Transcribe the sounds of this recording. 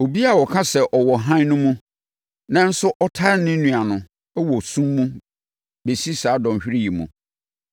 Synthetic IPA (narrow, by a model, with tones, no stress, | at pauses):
o˨bi˦a˨wɔ˨kʰã˦sɛ˨ʔɔ˨wɔ˨ɦã˦n˦nʊ̃˦mũ˦ | nã˦n̩˦sʊ˦ʔɔ˦tʰa˦nɪ̃˦nũ˨a˨nʊ̃˨ | ɛ˦wɔ˨sũ˦mːũ˦ | be˨si˦saː˨˦dɔ̃˨m˨ɕᶣɪ˦ɾi˦ji˨mṵ̃˨